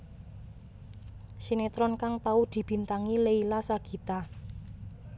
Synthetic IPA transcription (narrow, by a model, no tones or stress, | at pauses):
sinet̪ɾɔnkaŋt̪aud̪̥i̤b̥i̤nt̪aŋileilasaɡ̥i̤t̪a